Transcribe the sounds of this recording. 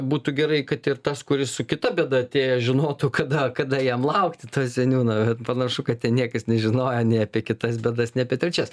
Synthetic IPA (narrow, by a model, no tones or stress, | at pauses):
buːt̪uːɡʲɛɾɐɪkɐt̪ɪrt̪ɐskʊɾʲɪssʊkʲɪt̪ɐbʲeːd̪ɐɐt̪ʲeːjɛʒʲɪnoːt̪uːkɐd̪ɐkɐd̪ɐjɛmlˠɐʊkt̪ʲɪt̪oːsʲɛnʲuːnoːbʲɛt̪pɐnɐʃʊkɐt̪̚tʲɛnnʲiɛkɐsnʲɛʒʲɪnoːjoːnʲɛɪɐpʲiɛkʲɪt̪ɐsbʲɛːd̪ɐsnʲɛɐpʲiɛt̪ʲɾʲɛt͡ʃʲɛs